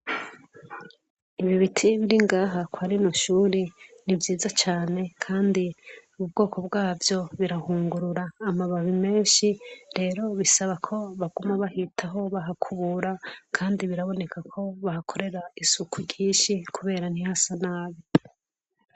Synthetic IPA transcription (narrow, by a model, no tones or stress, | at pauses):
iβiβitʰiβiɾiŋɡaːɦakwaɾinoʃuːɾenivjiːzat͡ʃaːne̞kʰaːndiuβubɡo̞ːko̞bɡaːvjo̞βiɾahuːŋɡuɾuɾaːmaβaβime̞ːnʃiɾe̞ːɾo̞βisaβakʰo̞βaɡ̥umaβaɦitʰaɦo̞βaɦakʰuβuɾakʰaːndiβiɾaβo̞ne̞kakʰo̞βahakʰo̞ɾe̞ɾaisukʰuɾɟiːʃikʰuβe̞ːɾanihasanaːβi